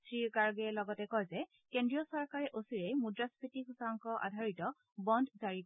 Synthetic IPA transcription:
sɹikaɹɡɛlɔɡɔtɛkɔjzɛ | kendɹijɔsɔɹkaɹɛʔosiɹɛmudɹaspʰitikʰusaŋkɔʔa̰dʱaɹitɔ | bɔndʱzaɹib

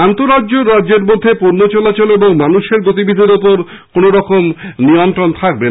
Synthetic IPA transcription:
ant̪oɾaːd͡ʑoɾːad͡ʑeɾmod̪ʱːepoɾnot͡ɕɔlat͡ɕoleboŋmanuʃeɾɡot̪ibid̪ʱiɾopoɾ | konoɾɔkomniont̪ɾont̪ʰak̚be

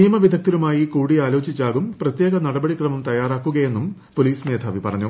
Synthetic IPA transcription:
nijɐmɐʋid̪ʱɐk̚t̪ːiɾumaːjikuːɽiaːlo̞ːt͡ɕit͡ɕːaːɣumprɐt̪je̞ːɣɐnɐɽɐbɐɽikrɐmɐmt̪ɐjaːraːkːuɣɐje̞nːum | po̞liːsne̞ːd̪ʰʱaːʋipɐrɐɲːu

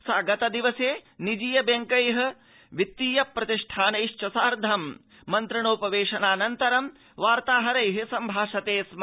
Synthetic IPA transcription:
saːɡɐt̪ɐd̪iʋɐseːnid͡ʒiːjɐbjɐŋkɐjɦɐ̆ | ʋit̪ːiːjɐpːɾɐt̪iʂʈʰaːnɐjʂt͡ʃɐsaːɾd̪ʱɐmː | ɐnt̪ɾiɳoːpɐʋeːʂɐnaːnɐnt̪ɐɾɐm | ʋaːɾt̪aːɦɐɾɐjɦisɐmbʱaːʂɐt̪eːsm

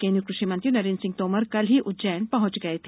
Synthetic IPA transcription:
kẽːnjukɾʊʃimɐ̃nt̪ɾinɐɾeːnsɪ̃ŋɡt̪oːməɾkɐlɦiʔʊd͡ʒɐːənpɐɦʊ̃t͡ʃɡɐet̪ʰe

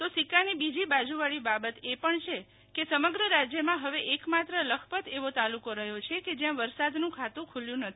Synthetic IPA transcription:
t̪osikanibid͡ʒibad͡ʒuʋaɭibabət̪epəɳt͡ʃʰe | kesəməɡɾəɾad͡ʒjəmãɦəʋeʔekmat̪ɾələkʰpət̪eʋot̪alukoɾəɦjot͡ʃʰeked͡ʒjãʋəɾsad̪nũkʰat̪ũkʰuljũnət̪ʰii̥

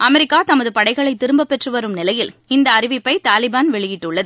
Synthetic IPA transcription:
ʔɐmɛɾɪkːaːt̪ɐmɐðɯpɐɽɐɪɣɐɭɐɪt̪ːɪɾɯmbɐpːɛʈrɯʋɐɾɯmnɪlɐjɪlɪnd̪ɐːɾɪʋɪpːɐɪt̪aːlɪbaːnʋɛɭɪjɪʈːɯɭːɐðɯ

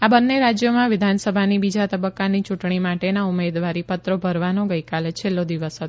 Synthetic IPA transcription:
abənːeɾad͡ʒjomãʋɪd̪ʱansəbʱanibid͡ʒat̪əbəkːanit͡ʃuʈɳimaʈenaumed̪ʋaɾipət̪ɾobʱəɾʋanoɡəjkalet͡ʃʰelːod̪iʋəsɦət̪

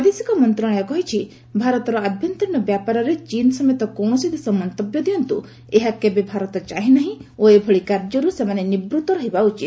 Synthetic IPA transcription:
pad̪esi̥kɔmɔnt̪ɾaɽ̃ɔjɔkɔɦit͡ʃʰi | bʱaɾɔt̪ɔɾɔab̪ʱjɔnt̪inːɔbjapaɾɔɾet͡ʃinɔsɔmet̪ɔkɔwɽ̃ɔsid̪esɔmɔnt̪ɔbjɔd̪iɔnt̪u | eɦakebebʱaɾɔt̪ɔt͡ʃaɦinaɦĩoebʱɔɭikaɾd͡ʒɔɾusemanenibɾut̪ɔɾɔɦibaut͡ʃit̪

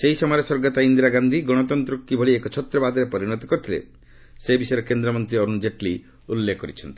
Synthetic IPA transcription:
seɦisɔmɔjɾesɔɾɡɔt̪aind̪iɾaɡand̪ʱiɡɔɽ̃ɔt̪ɔnt̪ɾukːibʱɔɭiekɔt͡ʃʰɔt̪ɾɔbad̪ɔɾepɔɾiɾɔt̪ɔkɔɾt̪ʰilḛ | sebisɔjɾekend̪ɾɔmɔnt̪ɾiɔɾund͡ʒeʈli | ulːekːɔɾit͡ʃʰɔnt̪i̥

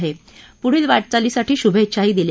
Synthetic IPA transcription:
ɦepuɽ̤iːlʋaʈ̚t͡saliːsaʈiːɕubʱet͡ɕʰaɦiːd̪ilj

